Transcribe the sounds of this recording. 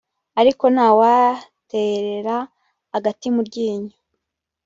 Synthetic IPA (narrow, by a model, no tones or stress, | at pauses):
aɾiko̞naːwate̞ɾe̞ɾa | aɡatimuɾɟiːɲu